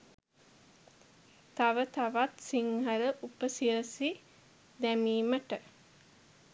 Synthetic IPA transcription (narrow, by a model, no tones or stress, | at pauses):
t̪aʋət̪aʋat̪siŋɦələʔupəsiɾəsi | d̪æmiːməʈə